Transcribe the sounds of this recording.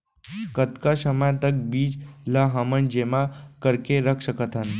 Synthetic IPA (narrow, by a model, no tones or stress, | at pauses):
kət̪kasəmajt̪ək̚biːd͡ʒlaɦamənd͡ʒemakəɾkeɾəkʰsəkət̪an